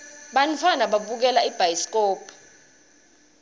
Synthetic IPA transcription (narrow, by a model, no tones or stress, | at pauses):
ɓanfʰanaɓaɓuk̬ɛlaib̥ʱajsk̬ʼɔːpʰ